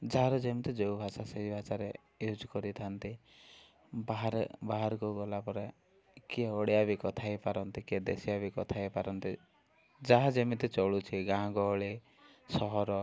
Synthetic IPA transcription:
d͡ʒaɦɾɔd͡ʒemit̪id͡ʒeubʱasaseibʱasaɾe | jod͡ʒkɔɾit̪ʰant̪i | baaɾbaɦaɾkuɡɔlapɔɾe | kieɔɽiabikɔt̪ʰajpaɾɔnt̪ikied̪ḛsiabikɔt̪ʰajpaɾɔnt̪i | d͡ʒaɦad͡ʒemit̪it͡ʃɔɭut͡ʃʰiɡãɡɔɭi | sɔɦɔɾɔ

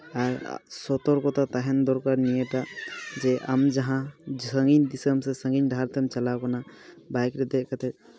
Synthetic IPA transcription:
aɾ̰sɔt̪ɔɾkɔt̪at̪aɦɛnd̪ɔɾkaɾnijɛʈaʔd͡ʒɛʔamd͡ʒaɦãsəŋɡind̪isəmsɛsəŋɡinɖʱaɾt̪ɛmt͡ʃalawkanabajkɾɛd̪ɛʔkat̪ɛ

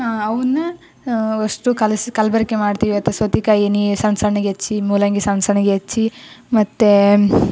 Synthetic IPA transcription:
aɐʋɐnːɐ | ɐʂʈukɐlsikɐlbɐɾikːemaːɖt̪iːʋiɐt̪ːɐsʋɐt̪ikaːjenisɐnsɐɳɐɡeet͡ʃːimuːlɐŋɡesɐnsɐɳɐɡeet͡ʃːimɐt̪ːe

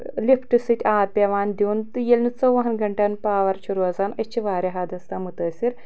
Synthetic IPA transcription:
lipʰʈisit̪ʲaːpʲɐʋaːnd̪ʲiːnt̪ɨjelʲnut͡sɐʋɐɦɐnɡɐɳʈɐnpaːʋɐɾt͡ʃʰuɾuɐzaːnɐt͡ʃʰiʋaːɾʲjɐɦaːd̪ɐst̪ɐmut̪ɐːsʲiɾ

